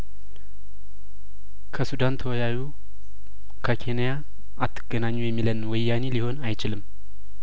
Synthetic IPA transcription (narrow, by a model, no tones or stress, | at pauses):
kʰəsud̪ant̪ʰəwɔjaju | kʰəkʰe̞nija | at̪ʰːɨɡ̥ənaɲːujɛmːilənwɔjːaneliho̞najt͡ʃɪlɨm